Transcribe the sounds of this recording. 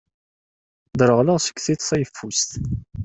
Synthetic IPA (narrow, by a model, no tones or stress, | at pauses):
d̪ɾəʁləʁsə̥kːθit̪θæjəfːust̪